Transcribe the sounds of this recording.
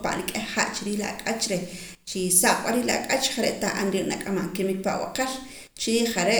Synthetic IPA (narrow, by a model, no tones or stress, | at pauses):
pa̰ʔɾikʼehχa̰ʔt͡ʃiɾiːlakʼat͡ʃɾe | t͡ʃisaχʼɓaɾiːlaakʼat͡ʃχaɾeʔt̪aʔanɾiːʔnakʼamaʔŋkimik̚paʔwa̰qeɾ | t͡ʃiɾiːχaɾeʔ